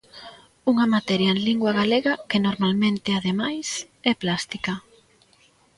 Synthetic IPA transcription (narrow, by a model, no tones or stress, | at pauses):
uŋɐmat̪ɛɾjaẽnliŋɡwaɣaleɣɐkɪnoɾmalmẽnt̪ɪaðemajs | ɛplast̪ikɐ